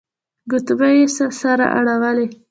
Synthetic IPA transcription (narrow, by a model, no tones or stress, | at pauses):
ɡʊt̪bajesasaɾa̰ʔa̰ɽaɣale